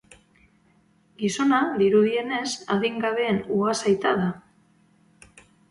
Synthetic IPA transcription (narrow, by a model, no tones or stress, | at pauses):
ɡiso̞naðiɾuðie̞ne̞saðiŋɡaβe̞ːnuasajt̪aða